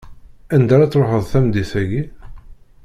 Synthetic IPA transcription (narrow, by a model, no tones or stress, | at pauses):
ænd̪æɾˤɑt͡sːɾoħəðˤθæmd̪iθæʝi